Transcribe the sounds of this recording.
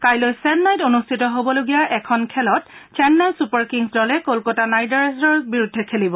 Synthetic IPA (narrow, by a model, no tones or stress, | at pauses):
kajlojsɛnnajtonustʰitɔɦobɔloɡijaʔɛkʰɔnkʰɛlɔt̚t͡ʃɛnːɛlsupaɹkiŋsdɔlɛkolkɔtanajdaɹsɔɹbiɹudʱːɛkʰelibɔ